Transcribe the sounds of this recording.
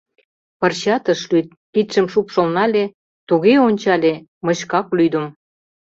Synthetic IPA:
pɤ̆rɕɑt̪ə̆ʃlyt̪̚pit̪ʃə̆mʃupʃŏlnɑlʲe | t̪uɣeonʲt͡ɕɑlʲe | mɤ̆ɕkɑklyd̪ə̆m

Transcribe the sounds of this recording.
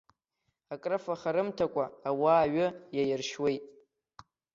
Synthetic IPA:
akʼrɨfaχaɾɨmtʰakʷʼaːwaːɥʊjajɪrʃwe̞jtʼ

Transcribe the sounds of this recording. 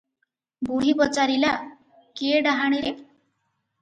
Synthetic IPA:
buɦipɔt͡ʃaɾila | keeɖaɦaɽ̃iɾe

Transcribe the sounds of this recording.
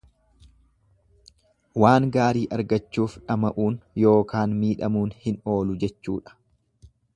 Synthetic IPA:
waːŋɡaːɾiːʔɐɾɡɐt͡ʃːuːfᶑɐmɐʔuːnjo̞ːkaːnmiːᶑɐmuːnhɪno̞ːlʊd͡ʒɛt͡ʃːuːᶑɐ̥

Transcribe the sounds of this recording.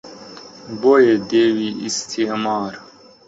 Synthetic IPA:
bojed̪eːwiist̪ʰimaːɾ

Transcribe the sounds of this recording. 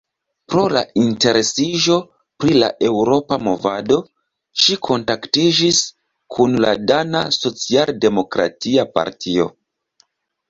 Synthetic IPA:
pɾo̞la̰inte̞ɾe̞siʒo̞ | pɾila̰ʔe̞wɾo̞pamo̞vado̞ | ʃikʰo̞ntaktid͡ʒis | kʰunla̰dana̰so̞t͡sialde̞mo̞kɾa̰tiapa̰ɾtʰio̞̰

